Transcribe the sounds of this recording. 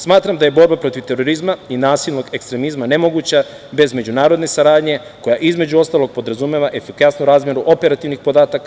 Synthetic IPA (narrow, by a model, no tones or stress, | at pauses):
smaːt̪ɾamd̪aje̞bo̞ɾbapɾo̞t̪iʋt̪e̞ɾo̞ɾizmainaːsilno̞ɡe̞kst̪ɾe̞mizmane̞mo̞ɡut͡ɕa | be̞zme̞d͡ʑunaːɾo̞d̪ne̞saɾaːd̪ɲe̞ | ko̞jaʔizme̞d͡ʑuo̞st̪aːloɡ̚po̞d̪ɾazumeʋaʔe̞fikasnuɾaːzmje̞ɾuʔo̞pe̞ɾat̪iʋnixpod̪aːt̪aka